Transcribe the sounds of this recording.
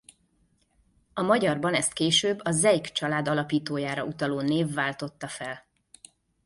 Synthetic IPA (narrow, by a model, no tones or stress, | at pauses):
ɒmɒɟɒrbɒnɛst̪̚keːʃøːbːɒzɛjkt͡ʃɒlaːd̪ɒlɒpiːt̪oːjaːɾɒut̪ɒloːneːvːaːlt̪o̞t̪ːɒfɛl